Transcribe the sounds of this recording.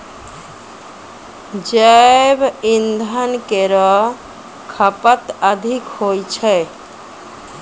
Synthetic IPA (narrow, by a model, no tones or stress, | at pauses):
d͡ʒaebind̪ʱankeɾɔ | kʰapət̪ad̪ʱikhojt͡ʃʰɛ